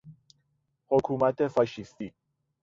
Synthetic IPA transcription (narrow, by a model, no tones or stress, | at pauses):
hokʰumat̪efaʃist̪i